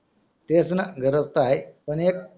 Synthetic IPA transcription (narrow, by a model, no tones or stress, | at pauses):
t̪esnaɡʱəɾət͡st̪ajpənek̚